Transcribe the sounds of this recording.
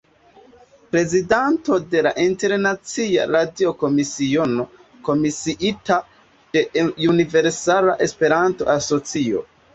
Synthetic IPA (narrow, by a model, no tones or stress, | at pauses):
pɾe̞zidanto̞de̞laʔinte̞ɾnat͡sia̰ɾadioko̞misio̞no̞ | ko̞misiʔita | d̥e̞unive̞ɾsalaʔe̞spe̞ɾanto̞̰ʔaso̞t͡sio̰